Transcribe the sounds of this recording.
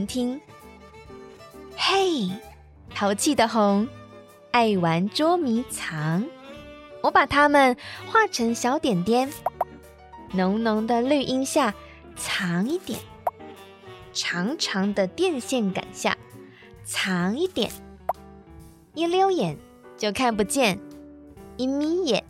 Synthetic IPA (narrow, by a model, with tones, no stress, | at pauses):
nt̪ʰi˥ŋ | he˥˩ɪ | t̪ʰɑ˧˥ʊt͡ɕʰi˥˩d̪ə˩xʊ˧˥ŋ | a˥˩ɪwa˧˥nʈ͡ʂwɔ˥mi˧˥t͡sʰɑ˧˦ŋ | wɔ˧˥pa˨˩t̪ʰa˥mə˨nxwa˥˩ʈ͡ʂʰɤ˧˥ŋɕjɑ˧˥ʊt̪jɛ˨˩nt̪jɛ˥n | nʊ˧˥ŋnʊ˧˥ŋd̪ə˧ly˥˩ʔi˥ŋɕja˥˩ | t͡sʰɑ˧˥ŋi˥˩t̪jɛ̰˨˩˦n | ʈ͡ʂʰɑ˧˥ŋʈ͡ʂʰɑ˧˥ŋd̪ə˧t̪jɛ˥˧nɕjɛ˥˩nka̰˨˩nɕja̰˥˩ | t͡sʰɑ˧˥ŋi˥˩t̪jɛ̰˨˩˦n | i˥˩ljo˥ʊjɛ˨˩n | t͡ɕjo˥˧ʊkʰa˥˩np̬u˧t͡ɕjɛ˥˩n | i˧˥˩mi˧˥jɛ˨˩˦n